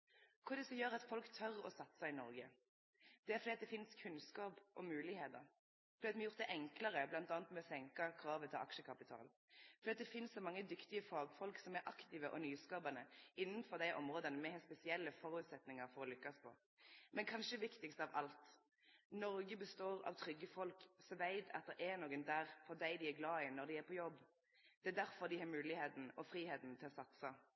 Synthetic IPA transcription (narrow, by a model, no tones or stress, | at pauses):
kʰʊɾd̪ɛsɔmjøːɾɑt̪fɔlkt̪ʰœɾɔ̰sɑt̪ːsɑɪnɔɾɡə | d̪̥ɛæfɔd̪iːt̪d̪ɛfɪnskʰʉnskɑːpʔɔmʉːlɪheːt̪əɾ | fɔɾiːɑt̪mɛjʊʁɾt̪d̪ɛʔɛŋkləɾəblɑnt̪ɑːnt̪mɛɔsɛŋkɑkʰɾɑːʋət̪ʰɪlʔɑ̰kʃəkʰɑpɪt̪ʰɑ̰ːl | fɔɾd̪iːɑt̪̚d̪ɛfɪnssɔmɑŋːəd̪ʏkt̪ɪəfɑːɡfɔlksɔmɛɾʔɑkt̪ɪːʋəʔɔnyːskɑːbənəɪnːənfɔʁd̪æɪʔɔmʁoːd̪ənəmɛhɛspɛsɪɛlːəfɔɾʉːt̪sɛt̪nɪŋɑɾfɔɾɔlʏkːɑspʰɔ̰ | mɛnkʰɑnʃəd̪ɛʋɪkt̪ɪkst̪əɑːʋʔɑ̰lt̪ | nɔɾɡəbəst̪oːʁɑ̰ʋt̪ʰʁʏɡːəfɔlksɔʋæɪt̪ʰɑ̰t̪̚d̪ɛɾʔɛnoːɡənd̪æːʁfɔd̪æɪd̪ɪæɾɡlɑːɪnɔʁd̪ɪæɾpʰɔjɔbː | d̪̥ɛæːd̪æɾfɔʁd̪ɪhɑːɾmʉːlɪheːt̪n̩ɔfɾiːheːt̪n̩t̪ʰɪlɔsɑt̪sə